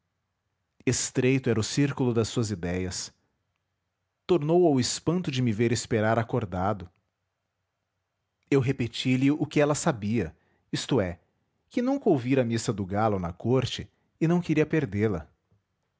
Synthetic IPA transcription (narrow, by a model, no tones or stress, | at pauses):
est̪ɾejt̪ʊɛɾɐʊsiɾkulʊd̪ɐsːuɐzid̪ɛjɐs | t̪oɾnowawɪspɐ̃nt̪ʊd͡ʒɪmɪveɾɪspeɾaɾakoɾd̪ad̪ʊ | ewɦepet͡ʃilɪʊkɪɛlɐsabiɐ | ist̪ʊɛ | kɪnũkɐowviɾɐmisɐd̪ʊɡalʊnɐkoɾt͡ʃɪː | nɐ̃w̃keɾiɐpeɾd̪elɐ